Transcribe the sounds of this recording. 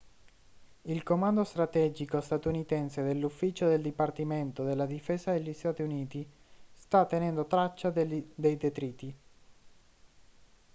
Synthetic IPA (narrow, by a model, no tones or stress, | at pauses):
ilkomand̪ost̪ɾat̪ɛd͡ʒikost̪at̪unit̪ɛnsed̪elːufːiːt͡ʃod̪eld̪ipart̪iment̪od̪elːad̪ifeːzad̪eʎːist̪at̪iuniːt̪i | st̪at̪ːenɛnd̪ot̪ɾat͡ʃːad̪ejd̪et̪ɾiːt̪i